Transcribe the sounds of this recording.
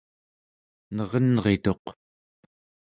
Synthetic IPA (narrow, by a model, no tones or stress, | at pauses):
nʌʁʌnʁe̞t̪o̞q